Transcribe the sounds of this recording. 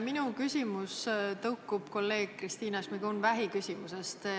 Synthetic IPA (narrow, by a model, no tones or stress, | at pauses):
minukysʲimust̪ɤwkːˑub̥ko̞lːe̞ːɡ̥̚krist̪iːnɑsmiɡunvæɦikysʲimusest̪